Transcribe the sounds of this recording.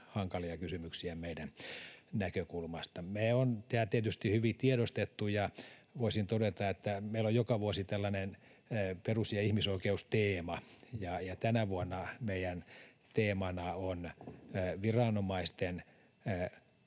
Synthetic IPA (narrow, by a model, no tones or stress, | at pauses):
hɑŋkɑliɑkysymyksiæmeidænnækøkulmɑst̪ɑmeont̪æːlt̪iet̪yst̪ihyʋit̪ieɾost̪et̪ːujɑʋoisint̪odet̪ɑet̪ːæmeilojjokɑʋuosit̪ælːɑnenː | perusjɑihmisoikeust̪eːmɑjɑjɑt̪ænæʋuonːɑmeijæn | t̪eːmɑnɑonː | ʋirɑnomɑist̪enː